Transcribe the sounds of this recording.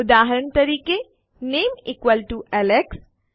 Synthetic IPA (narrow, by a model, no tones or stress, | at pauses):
ʊd̪aːɦəɾəɳt̪ɐɾiːke | neːmikʋəlʈuʔɛleks